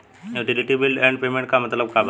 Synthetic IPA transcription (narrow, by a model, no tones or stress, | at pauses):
juːʈiliʈibilɖɛ̃ːɳɖpeːmẽɳʈkamɐt̪ləbkab